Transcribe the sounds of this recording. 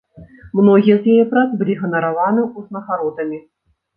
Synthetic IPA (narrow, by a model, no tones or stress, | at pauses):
mnɔɣʲijɛzjajɛpɾat̪zbɨlʲiɣɐnɐɾavanɨuznɐɣaɾɔt̪ɐmʲi